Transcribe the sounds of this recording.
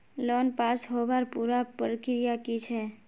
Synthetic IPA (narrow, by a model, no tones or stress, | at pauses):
lɔnpasɦobaɾpuɾapɾəkɾijakit͡ʃʰɛ